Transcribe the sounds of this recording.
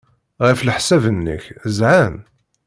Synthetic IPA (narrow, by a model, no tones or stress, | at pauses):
ʁiflħsævənːə̰çzʕam